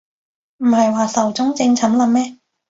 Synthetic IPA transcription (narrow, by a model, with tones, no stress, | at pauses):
m̩˨˩hɐ˨jwaː˨sɐ˨˩wt͡sʊ˥ŋt͡sɪ˧ŋt͡sʰɐ˨˥mlɐ˨˧mmɛː˥